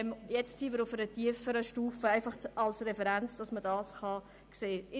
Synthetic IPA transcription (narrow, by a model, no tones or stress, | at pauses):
mjɛt͡stsimɪɾʊfəɾətiəfəɾəʃtuːfəæɪfɑχɑlsɾɛfɛɾænt͡sd̥ɑsmədɑːsχɑ | kseːɪ